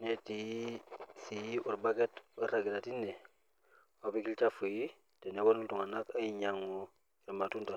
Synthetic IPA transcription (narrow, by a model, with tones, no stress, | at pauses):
ne˦ti˨ji˦si˨ji˦ʔu˨ɾbaɡe˦tuɾa˨ɡi˨ta˨ti˦nːe˨ | obi˦ki˦lt͡ʃa˦fu˨ji˦ | te˨ne˦wa˦nu˦ntu˨ŋa˨na˦ka˦ji˨ɲa˦ŋo˨ | i˨ɾma˨tu˦nta˨